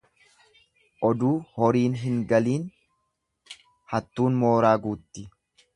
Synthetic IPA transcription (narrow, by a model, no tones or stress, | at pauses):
ʔɔd̪uːhɔɾiːnɦɪŋɡɐliːn | hɐt̪ːuːnmo̞ːɾaːɡuːt̪ːɪ